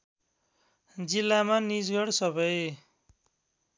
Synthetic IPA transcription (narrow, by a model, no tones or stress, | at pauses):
d͡zilːamanid͡zɡʌɽsʌbʌj